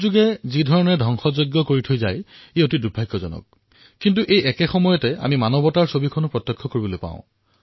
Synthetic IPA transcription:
zuɡɛzidʱɔɹɔnɛdʱɔŋxɔzojɡjɔkoɹitʰojzajeotidubʱajkːɔzɔ̰nɔ̰k̚ː | int̬uʔejʔɛkɛxɔmɔjɔtɛa̰mimanɔbɔtaɹsobikʰɔnʊpɹɔtːɔkʰːɔkoɹibɔlojpã̰ʊ̃

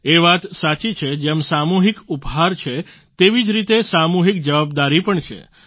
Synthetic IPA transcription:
eʋat̪sat͡ʃit͡ʃʰed͡ʒemsamuɦikupɦaɾt͡ʃʰe | t̪eʋid͡ʒɾit̪esamuɦik̚d͡ʒəʋabd̪aɾipəɳt͡ʃʰḛ

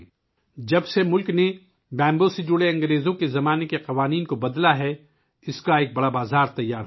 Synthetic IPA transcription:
d͡ʒɐbsemʊlkne | bɛ̃ːmbõsed͡ʒʊɽeɐ̃ŋɡɾeːzõkezɐmaːnekeqɐʋaːniːnkobɐd̪laɦɛ | ɪskaeːk̚bɐɽabaːzaːɾt̪ɐjːaːɾɦ

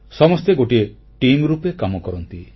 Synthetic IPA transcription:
sɔmɔst̪eɡoʈie | ʈimɾupekamɔkɔɾɔnt̪i

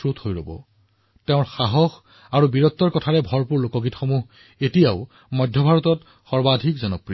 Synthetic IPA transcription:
ɹuthojɹo̰bɔ̰ | tɛʊ̃ɹxaɦɔx | aɹubiɹɔt̪ːɔɹkɔtʰaɹɛbʱɔɹpuɹlokɔɡitxomuɦ | etijaʊ | mɔjdʱjɔbʱaɹɔtɔt | xɔɹbadʱikzɔnɔpɹi

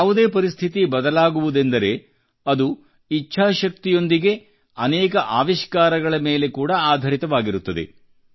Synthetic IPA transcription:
jaːʋud̪e̞ːpɐɾist̪ʰit̪ibɐd̪ɐlaːɡuʋud̪e̞nd̪ɐɾe̞ | ɐd̪u | it͡ʃːʃʰaːʃɐk̚t̪ijo̞nd̪iɡe̞ | ɐnɛːkɐʔaːʋiʃkaːɾɐɡɐɭɐmeːle̞kuːɽɐaːd̪ʱɐɾit̪ɐʋaːɡiɾut̪ːɐd̪e̞̰

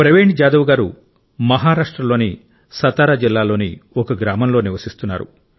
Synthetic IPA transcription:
pɾɐʋeːɳʈd͡ʒaːd̪ɐʋɐɡaːɾu | mɐɦaːɾaːʂʈɾɐlːoːni | sɐt̪aːɾaːd͡ʒilːaːlo̞ːniɔkɐɡɾaːmɐmlo̞ːniʋɐsist̪unːa̰ːɾṵ

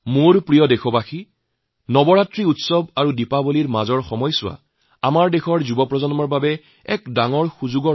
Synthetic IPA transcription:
moɹpɹijɔdexɔbaxi | nɔbɔɹatɹiutsɔbaɹudipaboliɹmazɔɹxɔmɔjsʊwa̰ | amaɹdexʰɔɹzubɔpɹɔzɔnmɔɹbabɛ | ɛkdaŋɔɹxuzuɡɔ

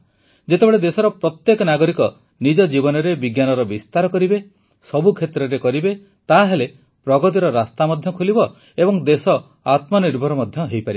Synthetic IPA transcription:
d͡ʒet̪ebeɭed̪esɔɾɔpɾɔt̪jekɔnaɡɔɾikɔ | nid͡ʒɔd͡ʒibɔnɔɾebiɡjanɔɾɔbist̪aɾɔkɔɾibe | sɔbukʰet̪ɾɔɾekɔɾibe | t̪aɦele | pɾɔɡɔt̪iɾɔɾast̪amɔd̪ʱjɔkʰulibɔ | ebɔŋd̪esɔ | at̪mɔniɾbʱɔɾɔmɔd̪ʱjɔɦejpaɾibe

